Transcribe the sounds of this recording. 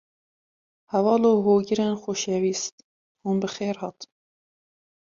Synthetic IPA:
hɛvɑːloːɦoːɡɪɾenxoʃɛviːst̪ | hunbɨxeːɾhɑt̪

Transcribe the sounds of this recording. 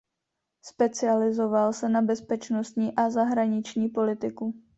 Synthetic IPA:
spɛt͡sɪalɪzo̞valsɛnabɛspɛt͡ʃnost̪ɲiːʔazaɦɾaɲɪt͡ʃɲiːpo̞lɪt̪ɪku

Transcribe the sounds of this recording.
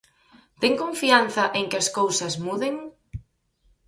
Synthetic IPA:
t̪eŋkoɱfianθɐʔeŋkɪɐskowsɐsmuðeŋ

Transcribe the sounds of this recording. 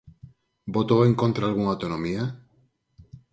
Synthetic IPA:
bot̪oeŋkõnt̪ɾaːlɣuŋawt̪onõmia

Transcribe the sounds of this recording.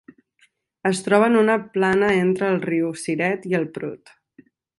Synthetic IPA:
əst̪ɾɔβ̞ənunəplanəent̪ɾəːlˠriwsiɾɛt̪iəlˠpɾṵt̪

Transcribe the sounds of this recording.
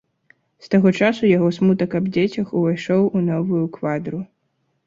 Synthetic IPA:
st̪aɣɔt͡ʂasujaɣɔsmut̪ɐkɐbd͡zʲet͡sʲɐxuvajʂɔwunɔvujukvad̪ɾu

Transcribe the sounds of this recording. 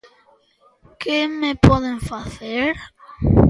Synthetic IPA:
kemepɔðeŋfaθeɾ

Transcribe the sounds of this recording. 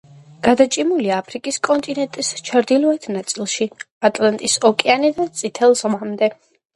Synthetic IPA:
ɡ̥ad̪at͡ʃʼimuliaːpʰɾikʼiskʼɔnt̪ʼinɛnt̪ʼist͡ʃʰaɾd̪ilɔɛt̪ʰnat̪sʼilˠʃi | at̪ʼlant̪ʼisɔkʼɛanid̪at̪sʼit̪ʰɛlˠzʁamd̪ɛ

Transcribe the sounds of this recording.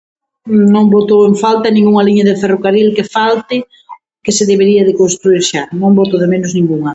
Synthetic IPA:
nõŋbot̪oweɱfalt̪ɐnĩŋuŋaliɲɐðefɛrokaɾilkefalt̪ɪ | kɪseðeβeɾiɐðɪkonst̪ɾuiɾʃanõŋbot̪oðemenoznĩŋɡuŋɐ

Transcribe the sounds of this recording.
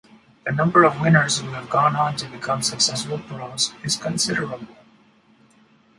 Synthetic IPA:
d̪̥ənʌ̃mbəɾɔvwɪ̃nəɾzhuævɡɔ̃ːnɔ̃ntɨbɪkʰʌ̃msəksɛsbəlˠtuɾɔsɪz̥kə̃nsɪɾəɹəbəl̩ˠ

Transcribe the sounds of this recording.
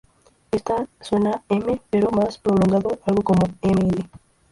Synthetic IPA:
est̪aswenaemepeɾomaspɾoloŋɡaðoalɡokomoemele

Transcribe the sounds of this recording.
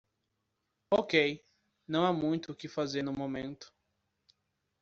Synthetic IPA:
okej | nɐ̃w̃amũj̃t̪ʊːkɪfazenʊmõmẽnt̪ʊ̥

